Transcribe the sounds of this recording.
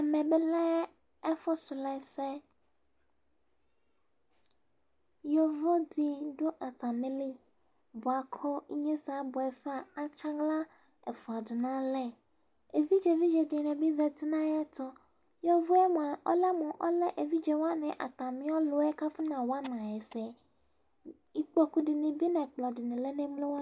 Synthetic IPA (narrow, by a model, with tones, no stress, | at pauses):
ɛ˨mɛ̃˨bɛ˨lɛ˦ | ɛ˦fɔ˦sʊ˨lɛ˦˨sɛ˦ | jɔ˨vɔ˦dɪ˨dʊ˦ʔa˨tʰa˨mɪ̃˦lɪ˦ | bʊ˨a˨kʰɔ˦i˦ɲɛ̃˦sa˨˦bʊ˨ɛ˨fa˨a˦t͡ʃʰã˦ŋɡla˦ | ɛ˨fʊ˨a˨dʊ˨nã˦lɛ˨ | e˨vi˦d͡ʒɛ˨vi˦d͡ʒɛ˨di˨nɛ̃˨bi˦zɛ˨t̪i˦nã˦ja˦t̪ɔ˦ | jɔ˦vo˦ɛ˦mɔ̃˨a˨ʔɔ̰˦lɛ˦mɔ̃˨ʔɔ̰˦lɛ˦ʔe˨vi˦d͡ʒɛ˨wa˦nɛ̃˨ʔa̰˨t̪a˨mĩ˦ɔ˦lo˨ɛ˦ka˦fi˦nã˨wa˦nã˨ɛ˨sɛ˨ | i˦k͡pɔ˦ku˦di˨nẽ˨bi˦nɛ̃˨k͡plɔ˨di˨nẽ˨lɛ˦nɛ̃˦mlẽ˦wa˦